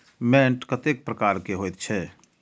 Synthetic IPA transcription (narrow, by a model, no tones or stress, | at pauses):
mɛ̃ːʈkət̪ek̚pɾəkaːɾkeɦoːjt̪̚t͡ʃʰɛː